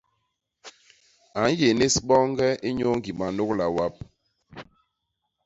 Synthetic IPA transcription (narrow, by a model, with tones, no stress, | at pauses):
a˨˦n˦je˨ne˦sɓɔ˦ŋ˦ɡɛ˦i˦ɲo˦ŋɡi˨ma˨no˦k̚la˨wa˦p̚